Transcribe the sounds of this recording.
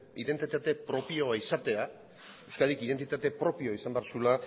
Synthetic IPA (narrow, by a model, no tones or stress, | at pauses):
ḭðent̪it̪at̪e̞pɾo̞pio̞aisat̪e̞a | ewskaðikiðe̞nt̪it̪at̪e̞pɾo̞pio̞isambeaɾsula